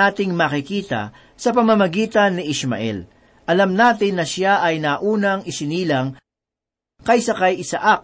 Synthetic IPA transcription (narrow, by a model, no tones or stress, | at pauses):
aːt̪ɪŋmɐkɪkiːt̪ɐ̰ | sɐpɐmɐmɐɡiːt̪ɐnːɪʔɪsmɐ̰ʔɛ̰l | ʔɐlɐmnaːt̪ɪnːɐʃaʔɐjnɐʔuːnɐŋɪsɪniːlɐŋ | kɐjsɐkajɪsɐʔak̚